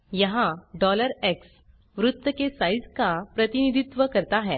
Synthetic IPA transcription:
jəɦãɖɔləɾɛks | ʋɾut̪ːəkesajd͡zkapɾət̪inid̪ʱit̪ʋəkəɾt̪aɦɛ̃

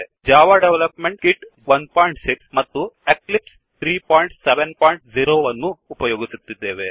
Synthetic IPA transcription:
d͡ʒaːʋaːɖeʋlɐpmeɳʈ̚kiʈ | ʋɐnpaːjɳʈsiksmɐt̪ːueklips | t̪ʰɾiːpoːjiɳʈseʋenpaːjiɳʈziɾoːʋɐnːuːpɐjoːɡisut̪ːid̪ːeːʋe

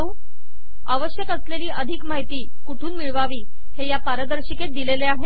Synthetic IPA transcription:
u | aʋəɕjəkəsleliːʔəd̪ʱikmaɦit̪iː | kuʈʰuːnmiɭʋaʋiː | hejapaɾəd̪əɾɕiket̪̚d̪ileleaɦe

